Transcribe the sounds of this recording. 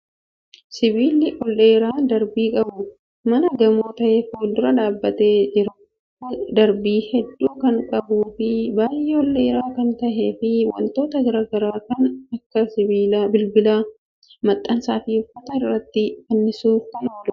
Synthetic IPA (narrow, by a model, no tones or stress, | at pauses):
sɪbiːlːɪʔɔlːeːɾaːd̪ɐɾbiːkʼɐbʊ | mɐnɐɡɐmoːt̪ɐʔeːfoːld̪ʊɾɐᶑaːbːɐt̪e̞ːd͡ʒɪɾɐ | d̪ɐɾbiːhɛd̪ːuːkɐŋkʼɐbuːfɪbaːjɛɔlːe̞ːɾaːkɐnt̪ɐʔe̞ːfɪwɐ̰nt̪o̞ːt̪ɐɡɐɾaːɡɐɾaːkɐnɐkːɐsɪbiːlbɪlbɪlaː | mɐt̪ʼːɐnsaːfiːʊfːɐt̪ɐɪrːɐt̪ːɪfɐnːɪsuːfkɐnoːlʊ